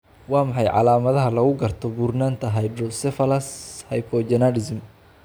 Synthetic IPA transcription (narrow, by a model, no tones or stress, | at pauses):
wɑːmɑħɑjʕɑ̰laːmɐðɐɦɐlɐɣʊɡɐrt̪ʰɔbuːrnaːnt̪ʰɐɦɐjdɾɔlsɛfɐlɐshɐjpʰɔd͡ʒɐnɐɾɪsm